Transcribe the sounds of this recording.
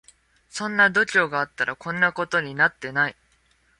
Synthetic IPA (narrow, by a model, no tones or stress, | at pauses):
sõ̞nːad̪o̞t͡ɕo̞ːɡaːt̪ːaɾakõ̞nːako̞t̪o̞ɲ̟inat̪ːe̞nai